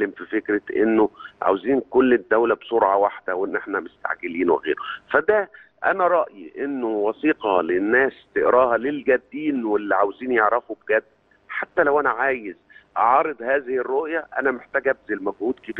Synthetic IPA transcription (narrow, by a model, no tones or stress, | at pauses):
lːemfifekɾeʔḛnːoʕa̰weziːnkolːed̪ːæwlæbsoɾʕɑwaħd̪æwenːʔeħnæmest̪a̰ʕɡeliːnwḛɣḛːɾofæd̪æ | ʔæ̰næɾˤɑʔjiʔenːowɑsiːqɑlenːæːst̪eʔɾɑːɦælelɡæd̪ːiːnwelːiʕawziːnjeʕɾˤæfubeɡæd̪ː | ħat̪ːælæwʔænæʕaːjez | ʔɑʕɑɾˤed̪ˤhæːzɪhɪrːoʔjæʔæ̰næmeħt̪æːɡæbzelmæɡhuːd̪kebiː